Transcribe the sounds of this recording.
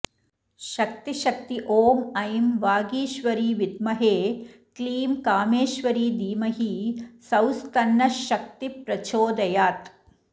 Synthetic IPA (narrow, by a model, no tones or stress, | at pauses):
ʃɐk̚t̪iʃɐk̚t̪iʔoːmɐjmʋaːɡiːʃʋɐɾiːʋid̪mɐɦeːkliːmkaːmeːʃʋɐɾiːd̪iːmɐɦisɐwst̪ɐnːɐʃɐk̚t̪ipɾɐt͡ʃoːd̪ɐjaːt̪